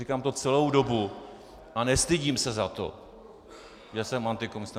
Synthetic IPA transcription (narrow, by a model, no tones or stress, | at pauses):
ikaːmt̪o̞t͡sɛlo̞wdo̞bu | ʔanɛst̪ɪɟiːmsɛzat̪o̞̰ | jasɛmːant̪ɪkonst̪a